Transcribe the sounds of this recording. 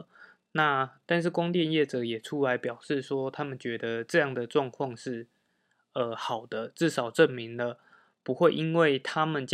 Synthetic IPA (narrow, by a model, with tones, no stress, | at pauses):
na˥˨t̪a˥˧nʂ̬ɻ̩˥˩kʊ˥ŋt̪jɛ˥˧njɛ˥˩ʈ͡ʂɤ˨˩˦jɛ˨˩ʈ͡ʂʰu˦la˧˥ɪpjɑ˨˩ʊʂɻ̩˥˩swɔ˥t̪ʰa˦˥mə˨nt͡ɕɥɛ˧˦d̪ə˧ʈ͡ʂɤ˥˧jɑ˥˩ŋd̪ə˩ʈ͡ʂwɑ˥˧ŋkʰwɑ˥˧ŋʂɻ̩˥˩ | ə˨xɑ˨˩ʊd̪ə˦ʈ͡ʂɻ̩˥˩ʂɑ˨˩ʊʈ͡ʂə˥˨nmi˨˦ŋd̪ə˧ | pu˧˦xwe˥˩ɪʔi˦˥nwe˥˩ɪt̪ʰa˦mə˨nt͡ɕ